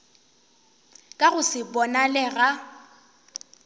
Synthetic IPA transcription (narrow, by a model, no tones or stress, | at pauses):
kʼaɣʊsɪbɔnalɛɣa